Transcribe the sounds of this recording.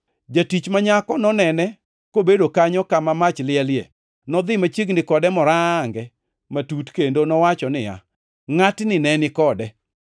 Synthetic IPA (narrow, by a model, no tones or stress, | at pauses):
d͡ʒatit͡ʃmaɲakɔnɔnɛnɛ | kobedokaɲɔkamamat͡ʃlɪɛljḛ | nɔd̪ɪmat͡ʃeɡnɪkɔdɛmɔɾaŋɡɛ | matutkendonɔwat͡ʃɔnɪa̰ | ŋatnɪnɛnɪkɔdɛ